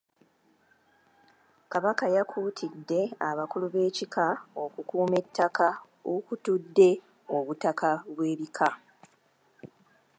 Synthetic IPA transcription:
kaβakajakʰuːtʰidːe̞aβakuluβe̞ːcikʰao̞kukuːme̞tʰːakʰa | okutudːe̞ | oβutakaβwe̞ːβikʰa

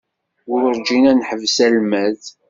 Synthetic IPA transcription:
ʊɾəɾd͡ʒinænħəvsælmæð

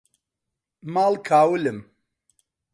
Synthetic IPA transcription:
maːlkʰaːwɨlɨm

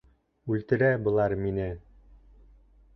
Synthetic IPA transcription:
ʉlt̪ɘ̆ɾæbɤ̆lˠɑɾminɘ

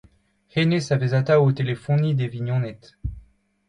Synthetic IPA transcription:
henesavezat̪aot̪elefũnid̪eviɲjɔ̃nɛt̪

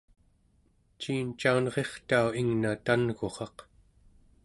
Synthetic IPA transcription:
t͡ʃiːnt͡ʃaunʁe̞χt̪auiŋnat̪anɣo̞χɑq

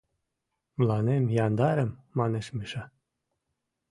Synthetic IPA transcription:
mlɑnemjɑnd̪ɑɾəmːɑneʃmiʃɑ

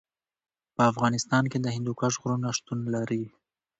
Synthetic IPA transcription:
pəafɣɑnɪst̪ɑnked̪əhɪnd̪ukaʒɣʊɾunaʃt̪unlaɾi

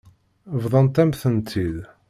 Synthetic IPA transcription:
vðˤɑnt̪æmθənt̪ʰið

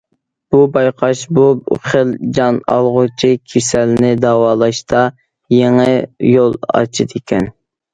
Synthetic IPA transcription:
b̥ubɑjqʰɑʃbuχəld͡ʒɑnɑ̰lˠʁʊt͡ʃʰikʲʰesɛlnɪd̪ɑwɑːlˠɑʃt̪ɑ | jeŋɪjolˠɑ̰t͡ʃʰid̪ekʲʰɛn

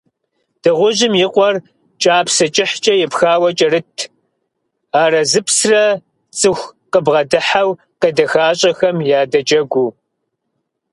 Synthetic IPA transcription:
d̥ɨʁʷʊʑɪmjɪqʷʼɔr | t͡ʃʼaːpʰsɐt͡ʃʼɪħt͡ʃʼɐjɛpxaːwɐt͡ʃʼɐrɨtʰ | aːrɐzɨpsrɐ | t͡sʼɨxʷqəbʁɐdɨħaw | qedɐxaːɕʼɐxɐmjaːdɐt͡ʃʼɐɡʷu

